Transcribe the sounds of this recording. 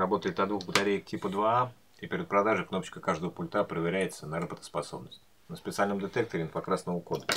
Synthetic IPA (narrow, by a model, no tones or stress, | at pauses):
ɾɐbo̞t̪əɪt̪ɐd̪vuxbət̪ɐɾʲejəktʲipəd̪vaa | ipʲɪɾʲɪt̪̚pɾɐd̪aʐɨkno̞pət͡ɕkəkaʐd̪əvəpʊlʲt̪apɾəvʲɪɾʲæjɪt̪sənɐɾɐbət̪ə̥spɐso̞bnəsʲtʲ | nəspʲɪt̪sɨalʲnəmd̪ʲɪt̪ek̚t̪əɾʲɪnəpɐkɾasnəvəko̞d̪ə